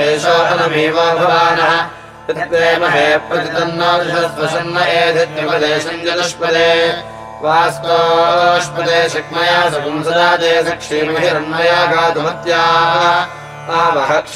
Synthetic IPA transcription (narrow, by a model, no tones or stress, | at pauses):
eːʃoːʔɐnɐmʱiːʋɐːɐbʱɐʋaːnɐɦɐ | ɪt̪ʋeːmɐɦeːpɐkit̪ɐnːɐisɐɾɐt̪ʋɐsɐnːɐʔeːd̪ʱɐt̪juɡɐd̪eːsɐnd͡ʒɐd̪ɐʃpɐd̪eː | ʋaːst̪oɐʃpɐt̪eːʃɐkmɐjaːsɐkumsɐd̪aːd̪eːsɐkʂiːɾuɦiɾɐɳmɐjaːɡaːd̪umɐt̪jaːt̪ɐɐ | ɐɦɐbɐɦɐk